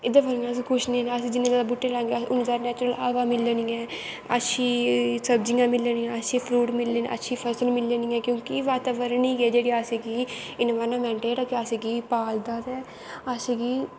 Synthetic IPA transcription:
ɪd̪aʋəɾnãːs̬ikʰʊʃnĩːɛ̃ːnaəs̬ĩːd͡ʒɪnːẽːd̪aːbuʈːeːlãːŋɡeʊnzaːɾnɛːt͡ʃɾəlaːʋaːmɪlːeniːɛ̃ː | ə̰tːʃʰiːsəbd͡ʒɪãːmɪlːenĩːãːətːʃʰiːpʰɾuːʈmɪlːeːnʔə̰ʃʰiːpʰəɾsəlmɪlːeːniːɛ̃ːkjõːkiʋaːt̪aːʋəɾəniːɡeːd͡ʒeːɽiːaːsiːɡiːɪnʋaːnãːmɛ̃ːɳʈeːʈakɪasiːɡiːpaːld̪aːd̪ɛː | asiːɡiː

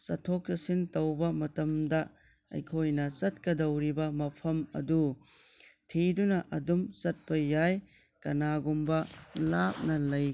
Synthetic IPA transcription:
sɐtʰok̚tɐsintɐwbɐmɐtɐmdɐ | ɐ̰jkʰojnɐt͡ʃɐt̚kɐdɐwɾibɐmɐpʰɐmɐ̰du | tʰidunɐʔɐdumt͡ʃɐt̚pɐjaj | kɐnaɡumbɐlap̚nɐlɐj

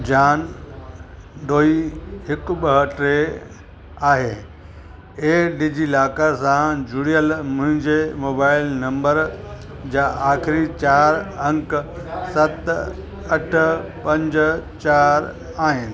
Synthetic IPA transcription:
d͡ʑaːn | d̪oːiɦɪkɓəɦəʈɾe | aːɦeː | eːɖid͡ʑilaːkasãd͡ʑʊɽijəlmʊ̃ɦɪ̃ɲd͡ʑemoːbaːɪlnɐ̃mbəɾ | d͡ʑaːʔaːxɪɾit͡ɕaːɾɐ̃ŋk | sɐt̪ | ɐʈ̆ʰpɐ̃ɲd͡ʑt͡ɕaːɾ | aːɦɪnɪ̆

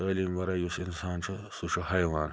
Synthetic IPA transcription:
aːliːmʋɐɾɐjusinsaːnt͡ʃʰɨ | suʃʰuhɐjʋaːn

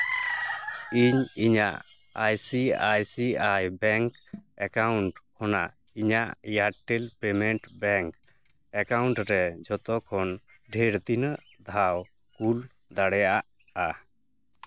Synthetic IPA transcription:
iɲiɲaʔ | ajsiajsiajbɛŋkɛkawɳʈkʰɔna̰ʔ | iɲaʔjaʈelpɛmɛɳʈbɛŋk | ɛkawɳʈɾɛd͡ʒɔt̪ɔkʰɔn | ɖʱɛɾd̪inəʔ | d̪ʱaw | kul | d̪aɽɛjaʔaʔ | a

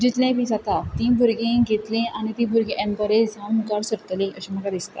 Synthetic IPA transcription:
d͡ʑit̪lãbiːd͡zat̪at̪ĩbʱuɾɡẽɡet̪lẽʔañit̪ĩbʱuɾɡẽʔɛmpəɾed͡zãnmukaɽsəɾt̪əlẽʔəɕem̤əkad̪ist̪a̰

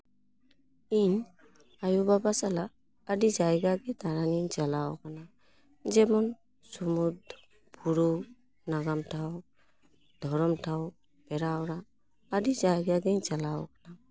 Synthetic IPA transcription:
in | ajubabasalaː | dizajɡaɡɛt̪aɾanint͡ʃalawkʰana | zɛmɔn | sumud | buɾu | naɡamtʰaw | d̪̥ʱɔɹɔmtʰaw | b̥ɛɾawɾaː | dizajɡaɡɛnt͡ʃalawkana

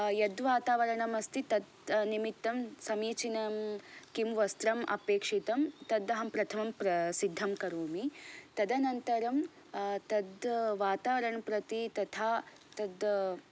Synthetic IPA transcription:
jɐd̪ʋaːt̪aːʋɐɾɐɳɐmɐst̪it̪ɐd̪nimit̪ːɐmsɐmiːt͡ʃinɐmkimʋɐst̪ɾɐmʔɐ̰peːkʂit̪ɐmt̪ɐd̪ːɐɦɐmpɾɐt̪ʰɐmɐmpɾɐsid̪ʱːɐmkɐɾuːmit̪ɐd̪ɐnɐnt̪ɐɾɐm | t̪ɐd̪ʋaːt̪aːʋɐɾɐɳɐpɾɐt̪it̪ɐt̪ʰaː | t̪ɐd̪

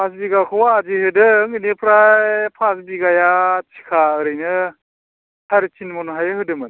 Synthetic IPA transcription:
pʰas̬biɡakʰɯwaːd͡ʒihɯdɯŋɯnepʰɾapʰasbiɡajatʰi̥kʰaɯɾɯjnɯ | tʰaɾitʰinmɔnɦajɯhɯdɯmɯn

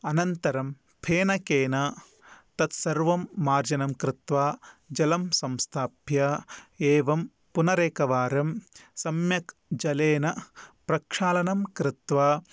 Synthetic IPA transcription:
ɐnɐnt̪ɐɾɐm | pʰeːnɐkeːnɐ | t̪ɐt̪sɐɾʋɐmːaːɾd͡ʒɐnɐmkɾɪt̪ʋaːd͡ʒɐlɐmsɐmst̪ʰaːbjɐeːʋɐm | punɐɾeːkɐʋaːɾɐmsɐmjɐkd͡ʒɐleːnɐpɾɐkʂaːlɐnɐmkɾɪt̪ʋaː

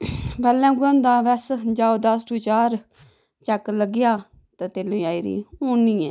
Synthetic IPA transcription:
bɛlɛ̃ːɡə̃nd̪ãːʋɛsd͡ʒaːod̪asʈuːt͡ʃaːɾ | t͡ʃɛkləɡɪjaː | t̪at̪eːlũːjaːiɾḭːõːnĩːẽː

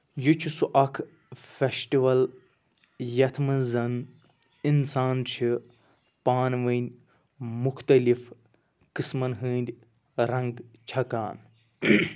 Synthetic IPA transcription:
jut͡ʃʰusuʔɐkʰ | fesʈiʋɐl | jɐt̪ʰmɨzɐn | insaːnt͡ʃʰi | paːnʋɐnʲ | muxt̪ɐlif | kɨsmɐnɦɨːnd̪ʲ | ɾɐ̃ŋɡt͡ʃʰɐkaːn

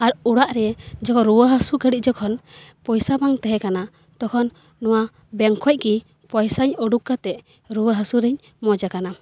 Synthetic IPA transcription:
aɾuɽaʔɾɛd͡ʒɔkʰɔɾuwəɦəsuɡəɽic̚d͡ʒɔkʰɔnpɔjsabaŋt̪ɛɦɛkana | t̪ɔkʰɔnː | ɔwa | bɛŋkʰɔc̚ki | pɔjsaɲɔɖukːat̪ɛ | ɾuwəɦəsuɾɛɲ | mɔd͡ʒakana

